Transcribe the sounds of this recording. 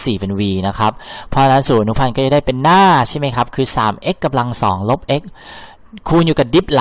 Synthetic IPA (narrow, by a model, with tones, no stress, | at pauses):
siː˨˩pe˧nwiː˧na˦˥kʰa˦˥p̚pʰːɔ˦˥˧na˦˥nsuː˩˦ʔa˧nu˦˥pʰa˧nkɔː˥˩t͡ɕa˨˩da˥˩jpe˧nːaː˥˩t͡ɕʰa˥˩jma˦˥jkʰa˦˥p̚kʰɯː˧saː˩˦mʔe˦˥kːa˧mla˧ŋsɔː˩˦ŋlo˦˥p̚ʔe˦˥k̚ʰː | uː˧njuː˨˩ka˨˩di˦˥p̚la˨